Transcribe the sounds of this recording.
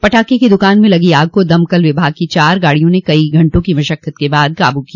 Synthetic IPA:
pɐʈʰaːkekid̪ʊkaːnmẽlɐɡiaːɡ̚kod̪ɐmkɐlʋɪbʱaːɡ̚kit͡ʃaːɾɡaːɽijõnekɐiɡʱɐ̃ɳʈõkiʋɐʃəkʰːət̪kebaːd̪̚ka̰ːbukia

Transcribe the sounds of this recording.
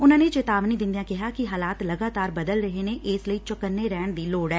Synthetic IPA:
ʊnãːnet͡ʃet̪aːʋniːd̪ɪ̃nd̪ijãːkɪɦaːkiɦaːlaːt̪ləɡaːt̪aːɾbəd̪əlɾəɦeːneʔeːsləiːt͡ʃəkənːeɾɛːɳd̪iːloːɽɛː

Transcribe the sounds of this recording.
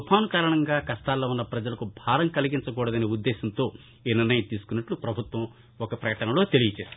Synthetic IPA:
upʰaːnukaːɾɐɳɐŋɡaːkɐst̪aːlːoːunːɐpɾɐd͡ʒɐlɐkubʱaːɾɐŋkɐliɡiɲt͡ʃɐk̬uːɽɐd̪ɐneːud̪ːeːsɐnt̪o̞ː | iːniɾnɐjɐmt̪iːsu̥kunːɐʈlupɾɐbʱut̪ʋɐ̃m | ɔkɐpɾɐjkɐʈɐnɐlo̞ːt̪e̞lijɐt͡ʃeːs

